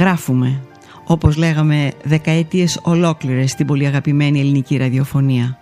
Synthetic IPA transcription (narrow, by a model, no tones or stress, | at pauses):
ɣɾɐfume̞ | o̞po̞zle̞ɣɐme̞ðe̞kɐet̪ie̞so̞lo̞kliɾe̞st̪ibo̞liɐɣɐpime̞nie̞liniciɾɐðio̞fo̞niɐ